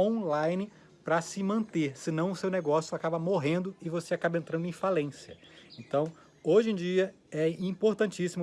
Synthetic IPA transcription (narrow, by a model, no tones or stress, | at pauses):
õlajnɪ | pɾɐsɪmɐ̃nt̪eɾsɪnɐ̃w̃ʊsewnɛɡɔsjʊakabɐmoɦẽnd̪ʊɪvoseakabɐẽnt̪ɾɐ̃nd̪ʊẽfalẽsjɐẽnt̪ɐ̃w̃ | oʒẽj̃d͡ʒiɐ | ɛĩpoɾt̪ɐ̃nt͡ʃisimʊ